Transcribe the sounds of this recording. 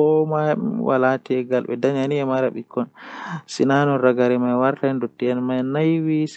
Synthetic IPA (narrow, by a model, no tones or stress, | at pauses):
ɔmawa̰latiɛɡalɓɛ̰daɲaniɛmaɾaɓikʰːɔnsinanɔɾaɡaɾɛmajwaɾtaɛndotːiɛnmajnajwis